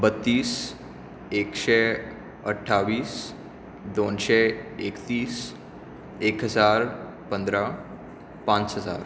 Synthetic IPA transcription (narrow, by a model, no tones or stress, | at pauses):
bət̪ːiːs | ekɕɛ | əʈʰaʋiːs | d̪onɕɛekt̪iːs | ekɦəd͡zaɾ | pə̃nd̪ɾa | pãnt͡sɦəd͡za̰ɾ